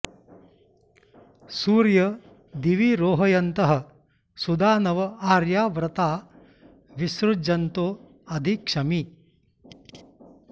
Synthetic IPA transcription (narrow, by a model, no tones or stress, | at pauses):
suːɾjɐ | d̪iʋiɾoːɦɐjɐnt̪ɐɦɐ̆ | sud̪aːnɐʋɐaːɾjaːʋɾɐt̪aː | ʋisɾud͡ʒɐnt̪oː | ɐd̪ʱikʂɐmi